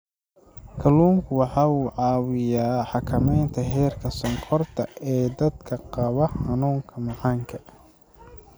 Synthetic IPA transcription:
kʰɐluːŋkʰʊwɑħɑːuːʕɑːwɪjaːħɑkʰɐmɛjnt̪ʰɐɦɛːrkʰɐsɔŋkʰɔrt̪ʰɐʔɛːd̪ɐd̪kʰɐqɑβɐħɑnuːŋkʰɐmɑʕɑːŋkʰɐ̥

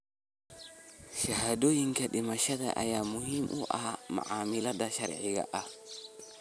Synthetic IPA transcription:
ʃahadojiŋkaɗimaʃada̰ʔa̰jamuhimʔṵʔama̰ʕamiladaʃaɾʕiɡa̰ʔa

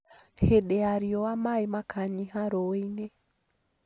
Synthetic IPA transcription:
heɗɛaɾiɔwamaimakʰaɲihaɾɔwenɛ

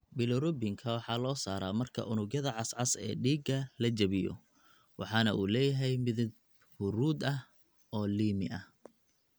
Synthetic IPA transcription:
bɪlɔɾʊbɪŋkʰɐwɑħɑːlɔːsaːɾaːmɐrkʰɐ̰ʔʊnʊɣjɐðɐʕɑsʕɑsɛ̰ːɖiːɡɐlɐt͡ʃɐβɪjɔ̰ | wɑ̰ħɑːnɐʔuːlɛːjɐɦɛjmɪðd̪̚ | hʊɾuːd̪ɐh | ɔːliːmɪ̰ʔɐh

